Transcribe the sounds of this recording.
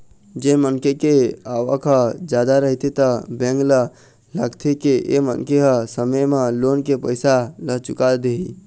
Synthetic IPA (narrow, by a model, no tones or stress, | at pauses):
d͡ʒemənkekeaʋəkd͡ʒad̪aɾəɦt̪it̪əbẽŋɡlə | laɡt̪ʰikeʔḛmə̰nkeɦəsəməjmelonkepəjsalət͡ʃukald̪eɦi